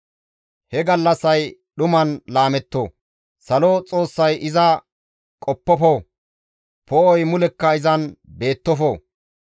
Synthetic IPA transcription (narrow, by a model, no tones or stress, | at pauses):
hɛɡɐlːɐsɐj | ɗʊmɐnlaːmɛt̪ːoː | sɐlot͡sʼo̞ːsːɐjɪzɐ | kʼɔpːɔfo | poːɔjmʊlɛkːɐɪzɐnbe̞ːt̪ːɔfoː